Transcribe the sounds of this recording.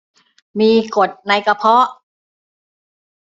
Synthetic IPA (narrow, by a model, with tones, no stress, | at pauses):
miː˧ko˨˩t̪̚na˧jka˧pʰɔ˦˥